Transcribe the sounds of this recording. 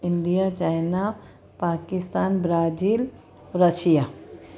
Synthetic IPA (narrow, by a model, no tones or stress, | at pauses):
ɪɳɖijat͡ʃaːjna | paːkɪst̪aːnbɾaːd͡ʒiːl | ɾəʃija